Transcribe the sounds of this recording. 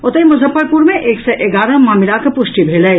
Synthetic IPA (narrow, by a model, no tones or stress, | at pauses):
ot̪əjmʊzʱəpːəɾpuɾmẽʔeːksɛʔeɡaːɾɐmaːmɪlakepʊʃʈibʱeːlɐj